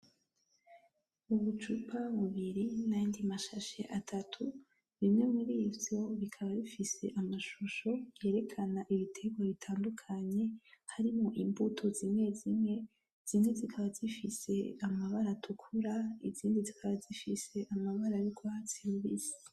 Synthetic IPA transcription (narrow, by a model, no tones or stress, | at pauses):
uβut͡ʃupʰaβuβiɾinajindimaʃaʃeʔatʰatʰu | βimŋe̞muɾivjo̞βikʰaβaβifise̞̰ʔamaʃuʃo̞βje̞ːɾe̞kʰanaʔiβitʰe̞ɡwaβitʰaːndukʰaɲe̞haɾimŋoʔimbutʰo̞zimŋe̞zimŋe | z̥imŋezikʰaβazifise̞̰amaβaɾatʰukʰuɾaiziːndizikʰaβazifise̞ʔamaβaɾajikʰoat͡siɾβizi̥